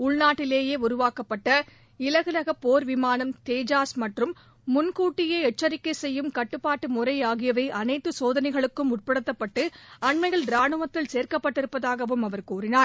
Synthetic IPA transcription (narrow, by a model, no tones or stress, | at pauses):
ʊɭnaːʈːɪleːjeːʊɾʊʋaːkɐpːɐʈːɐ | ɪlɐɣɯlɐɣɐpːoːɾʋɪmaːnɐmt̪eːd͡ʒaːsmɐʈrɯmː | ʊnkuːʈːɪjeːɛʈ̚t͡ʃːɐɾɪkːɐɪsɛjːɯmkɐʈːɯpːaːʈːɯmʊrɐɪaːɣɪjɐʋɐɪʔɐnɐɪt̪ːɯsoːðɐnɐɪɣɐɭɯkːɯmʊrpɐɽɯt̪ːɐpːɐʈːɯɐɳmɐɪɣɐɭɾaːɳɯʋɐt̪ːɪlseːɾkɐpːɐʈːɪɾɯpːɐðaːɣɐʋɯmɐʋɐɾkuːrɪnaːɾ